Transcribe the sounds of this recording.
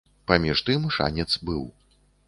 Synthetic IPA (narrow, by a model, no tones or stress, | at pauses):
pɐmʲiʂt̪ɨmʂa̰nʲɛt̪sbɨw